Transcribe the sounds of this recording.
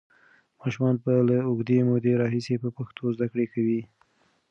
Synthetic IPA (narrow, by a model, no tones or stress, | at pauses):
mɑʃumɑnpəlaʊɡd̪emod̪eɾɑɦisepəpaxt̪ʰozd̪akɽekawi